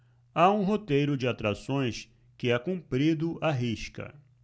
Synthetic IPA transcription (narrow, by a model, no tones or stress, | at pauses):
aũɦot̪ejɾʊd͡ʒɪat̪ɾasõj̃s | kɪɛkũmpɾid̪ʊʔaɦiʃkɐ̰